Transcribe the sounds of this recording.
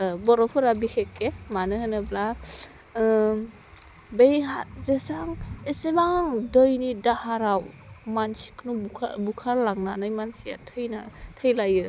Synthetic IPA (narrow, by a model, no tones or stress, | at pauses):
bɔɾɔpʰɯɾabikʰekemanɯhɯnɯbla | bejɦazesaŋesebaŋŋdɔjnidahaɾawmansi̥kʰnukʰa̰bukʰaɾlaŋnanajmansija̰tʰɯjna̰tʰɯjlajɯ